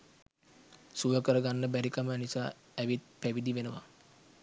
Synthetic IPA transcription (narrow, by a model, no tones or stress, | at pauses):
sujəkəɾəɡanːəbæɾikamənisa̰ː | æʋit̪̚pæʋid̪iʋenəʋa̰